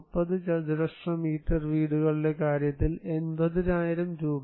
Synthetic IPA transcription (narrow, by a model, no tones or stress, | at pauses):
pːɐðɨt͡ɕɐd̪ɾɐʂrɐmiːʈːɐrʋiːɽuɣɐɭile̞kaːɾjɐt̪ːile̞nbɐðiɾaːjiɾɐmɾuːb